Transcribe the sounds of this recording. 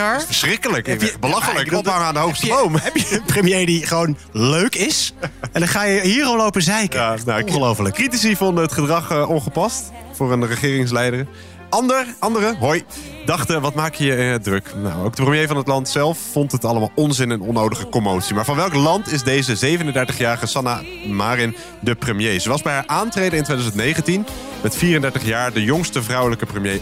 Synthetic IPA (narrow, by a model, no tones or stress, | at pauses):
fəsrɪkələkbəlɑχələkɔphɑŋaːndəɦowχstəbowmɦɛpjəənprəmjejdiχəʋownløɥkɪsɛndχaːjəɦiːɾɔmlowpəzɛjknaəlowfələkritis̬ivɔndəɦətχədrɑχəɔnχəpɑst | fʊːɹənrəχɪːrɪŋs̬lɛjdər | ɑndəɹʔɑndərəɦoj | dɑχtəʋɑtmaːkəjəɪədrɵkna̰wo̰wk̚dəprəmjejvɑnətlɑntsɛlˠfːɔntɦətɑləmaːlˠɔnzɪnənɔnːowdəχəkomowtsimaːɹvɑnʋɛlˠklɑntɪzdejzəzejvənəndɛɹtəχjaːɹəχəsɑna | maːrɪn | dəprəmjejzəʋɑzbɛjɦaːɹʔaːntrejdəɪntʋejdzəntnejχəntin | mɛtfiːrəndɛɹtəχjaːɹdəjʊŋstəvrʌwləkəprəmjej